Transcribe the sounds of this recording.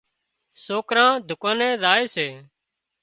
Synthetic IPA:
soːkɾãːd̪ʱʊkãːnɛ̃ːzaːeːseː

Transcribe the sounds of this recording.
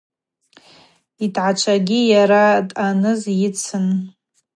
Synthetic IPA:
itʰʕat͡ʃʷʰaɡʲijaɾatʼanɨzjɪt͡sʰɨn

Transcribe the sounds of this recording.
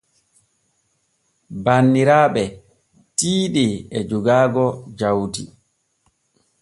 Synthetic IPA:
banːiɾaːɓɛ | tiːɗiɛd͡ʒuɡaːɡɔd͡ʒawti

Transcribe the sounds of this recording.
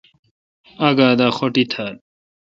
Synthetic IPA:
aɡaːd̪aːxoʈit̪ʰaɾ

